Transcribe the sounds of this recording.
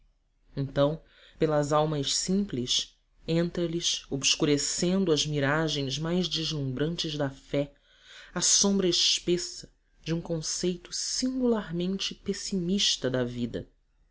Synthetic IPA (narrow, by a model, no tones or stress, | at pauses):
ẽnt̪ɐ̃w̃ | pelɐzawmɐʃsĩplis | ẽnt̪ɾɐliʃobskuɾesẽnd̪ʊɐzmiɾaʒẽj̃zmajzd͡ʒizlũmbɾɐ̃nt͡ʃɪzd̪ɐfɛ | asõmbɾɐɪʃpesɐ̥ | d͡ʒɪũkõsejt̪ʊ̥sĩŋɡulaɾmẽnt͡ʃɪpesimiʃt̪ɐd̪ɐvid̪ɐ̰